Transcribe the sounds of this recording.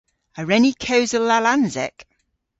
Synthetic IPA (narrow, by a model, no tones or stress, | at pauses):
əɹɛnikʰəʊzəlalãnzɛk